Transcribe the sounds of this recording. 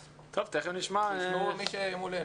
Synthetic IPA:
t̪ʰovt̪eχniʃmaumiʃemule

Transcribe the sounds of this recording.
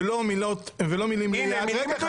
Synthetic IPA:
lomilot̪velomilimlijaʁea

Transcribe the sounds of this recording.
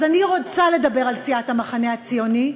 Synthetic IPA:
zaniʁot͡sale̞d̪abe̞ʁalsiathamaχaneat͡sijo̞ni

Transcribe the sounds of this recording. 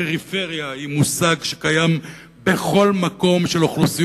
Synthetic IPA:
eʁife̞ʁjaimusaɡʃe̥kajam | be̞χo̞lmako̞mʃeloχlusi

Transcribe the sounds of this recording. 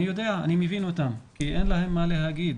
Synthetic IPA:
ijo̞d̪e̞aa̰nimevino̞t̪amkiʔe̞nlahe̞mːale̞ɦaɡid̪

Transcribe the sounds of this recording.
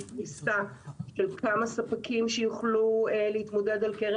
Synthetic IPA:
tisaʃelkamasapakimʃejuχluleitmo̞de̞dalkeʁ

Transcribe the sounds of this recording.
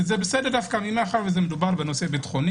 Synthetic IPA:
zebesedeʁd̪afkamimeaχaʁvezemedubaʁbenosebit̪χoni

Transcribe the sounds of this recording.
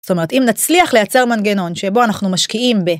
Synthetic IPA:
sto̞me̞e̞timnat͡sliaχle̞jat͡se̞ʁmanɡe̞no̞nʃe̞bo̞anaχnumaʃkiimbe

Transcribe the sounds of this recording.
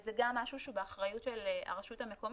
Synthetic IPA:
zeɡamːaʃuʃubeaχʁajutʃelea̰ʁaʃuthameko̞m

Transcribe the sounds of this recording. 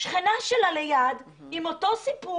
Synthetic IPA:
ʃχinaʃelalejad | imoto̞sipu

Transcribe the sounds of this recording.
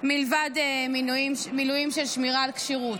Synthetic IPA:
milvad̪eminuimmilujimʃelʃmiʁaːlkʃiʁut

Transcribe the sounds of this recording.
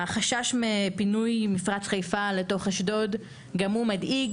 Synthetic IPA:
aχaʃaʃmepinujmifʁat͡sχajfale̞to̞χaʃdo̞d | ɡamumadʔiɡ

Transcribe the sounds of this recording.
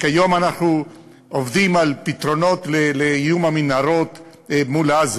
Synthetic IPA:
kajo̞manaχnu | ovd̪imalpit̪ɾo̞no̞t̪lelejumaminaɾot̪ | mulaz

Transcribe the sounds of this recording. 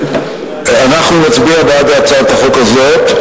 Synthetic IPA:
anaχnumat͡sbiabead̪aat͡sat̪aχukazot̪

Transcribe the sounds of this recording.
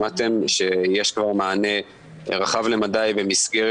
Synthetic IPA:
at̪e̞mʃejeʃkvaʁmaːne̞ | ʁaχavle̞mad̪ajbemisɡeʁ

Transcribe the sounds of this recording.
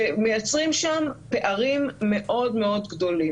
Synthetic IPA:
emejat͡sʁimʃampe̞ʔaʁimːe̞ʔo̞dme̞o̞dɡdo̞li

